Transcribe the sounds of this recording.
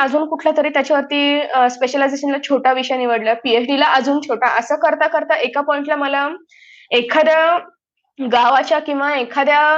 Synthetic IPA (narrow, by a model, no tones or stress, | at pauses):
əd͡zuːnkuʈʰlat̪əɾiːt̪jat͡ɕaʋəɾt̪iːspeɕəlajd͡zeɕənlat͡ɕʰoʈaʋiɕəjaniʋəɽlapiet͡sɖilaʔəd͡zuːnt͡ɕʰoʈaʔəsəːkəɾt̪akəɾt̪aʔekapɔĩɳʈlaməla | ekʰad̪ja | ɡaʋat͡ɕjakĩw̃ʋaekʰad̪ja